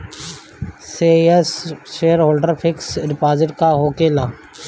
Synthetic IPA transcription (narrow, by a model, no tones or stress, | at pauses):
seːɛsʃeːjəɾɦoːlɖəɾpʰɪksɖɪpaːzɪʈkaɦoːkeːlãː